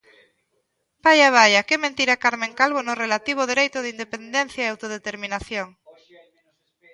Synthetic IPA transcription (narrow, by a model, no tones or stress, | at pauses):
bajaβajɐkɪmẽnt̪iɾakaɾmẽŋkalβonʊrelat̪iβ̞oðiɾejt̪ʊðind̪epend̪ɛn̟θjaeawt̪oð̞et̪eɾmĩnaθjoŋ